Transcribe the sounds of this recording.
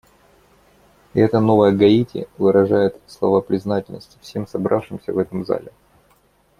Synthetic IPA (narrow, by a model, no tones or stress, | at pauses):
ɛt̪əno̞vəjəɡɐitʲɪ̰vɨɾɐʐajɪt̪slˠɐvapɾʲɪznatʲɪlʲnə̰sʲtʲɪ̥fsʲe̞msɐbɾʔafʂɨmsʲə̰vɛt̪əmza̰lʲɪ